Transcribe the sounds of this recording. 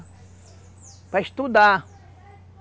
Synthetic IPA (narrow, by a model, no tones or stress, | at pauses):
pɾaest̪ud̪a